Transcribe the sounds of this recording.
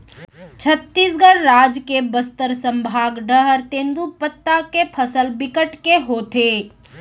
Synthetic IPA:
t͡ʃʰət̪ːiːsɡəɽɾaːd͡ʒkebəst̪əɾsə̃mbʱaːɡɖəɦəɾt̪ẽːnd̪upət̪ːakepʰəsəlbɪkəʈkeɦoːt̪eː

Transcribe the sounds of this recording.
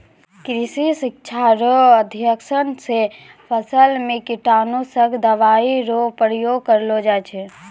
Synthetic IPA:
kɾisisikt͡ʃʰaɾoəd̪ʱjəksənse | pʰəsəlmekiʈanosəɡd̪əʋaiɾopɾjoɡkəɾlod͡ʒajt͡ʃʰɛ

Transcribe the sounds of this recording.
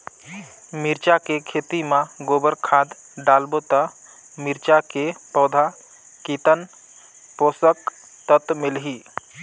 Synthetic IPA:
miɾt͡ʃakekʰeːt̪imãɡoːbəɾkʰaːd̪ | ɖalbot̪ə | miɾt͡ʃakepəd̪ʱa | kit̪ən | poːsək | t̪ət̪mɪlɦi

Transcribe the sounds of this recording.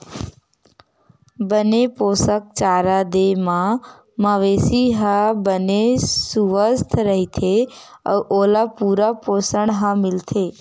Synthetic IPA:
bənepoːsək̚t͡ʃaːɾad̪emã | məʋeːsiɦabənesuʋəst̪ʰɾəɦit̪ʰe | əʔoːlapuːɾapoːsəɳɦãmɪlt̪ʰeː

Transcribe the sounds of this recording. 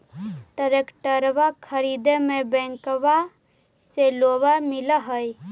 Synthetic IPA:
ʈəɾekʈəɾʋakʰəɾid̪emẽbɛ̃ŋkʋa | seloːbamɪləɦəj

